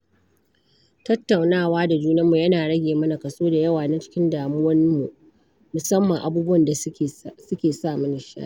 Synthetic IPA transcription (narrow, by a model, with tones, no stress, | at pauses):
tɐ˦tːa˨wnaː˦˨waː˦da˨d͡ʒuː˦nɐ˦mːu˨jɐ˦naː˨ɽɐ˦ɡʲeː˨mɐ˦na˨kɐ˨soː˦da˨jɐ˦waː˨na˦t͡ʃɪ̥˦kʲɪ˦ndaː˨mʊ˦wɐ˦nmu˨ʔ | mʊ˨sɐ˦mːɐ˨ŋʔa˨buː˦bʊ˦wɐ˨nda˨sʊ˦kʲeː˨saː˦˨mʊ˦nɪ˨ʃa̰˦ʔ